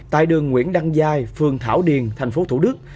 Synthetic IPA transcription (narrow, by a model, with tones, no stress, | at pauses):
t̪a̰ː˧˨jɗɨ˨˩əŋːwḭ˧˥ənɗa˧ŋzaː˧jfɨ˨˩əŋt̪ʰaː˧˩wɗi˨˩ənt̪ʰa˨˩jŋ̟fo˨˦˥t̪ʰṵ˧˩ɗɨ˦˥k̚